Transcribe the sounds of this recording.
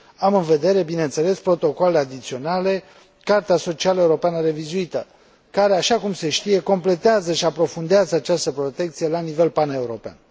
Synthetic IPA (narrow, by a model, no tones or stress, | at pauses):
amɨnve̞d̪e̞ɾe̞bineɨnt̪se̞le̞spɾo̞t̪o̞kolead̪it̪sio̞nale̞ | kart̪easo̞t͡ʃialəeuɾo̞peanəɾe̞vizuit̪ə | kaɾe̞aʃakumse̞ʃt̪ije̞ko̞mple̞t̪eazəʃiapɾo̞fund̪eazəat͡ʃast̪əpɾo̞t̪e̞kt̪sije̞lanive̞lpane̞uɾo̞pea̰n